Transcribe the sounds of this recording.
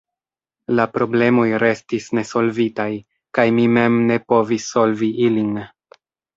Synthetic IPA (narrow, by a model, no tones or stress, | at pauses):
lapɾo̞ble̞mo̞jɾe̞stisne̞so̞lvitaj | kajmime̞mne̞po̞visːo̞lviʔilin